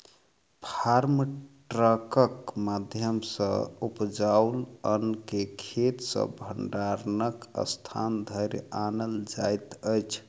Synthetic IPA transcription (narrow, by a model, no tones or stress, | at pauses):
pʰaɾmʈʈɾəkəkmad̪ʱjəmsə̰̃upd͡ʒawulənkekʰet̪sə̰bʱəɳɖaɾnəkə̰st̪ʰa̰nd̪ʱəɾanəld͡ʒajt̪əjt͡ʃʰ